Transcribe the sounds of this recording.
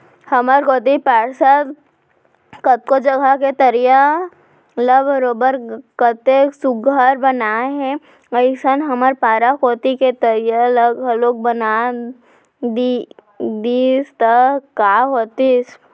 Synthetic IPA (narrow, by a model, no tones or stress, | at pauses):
hɐməɾkoːt̪ipaːɽsat̪ | kət̪̚kod͡ʒəɡʱaket̪əɾija | ləbəɾoːbəɾkət̪esʊɡaɾbɐnaɦɛ | ɐɪsənɦɐməɾpaːɾakoːt̪iket̪əɾijaləɡloːk̚bɐna | d̪i | d̪iːst̪əkaːɦoːt̪is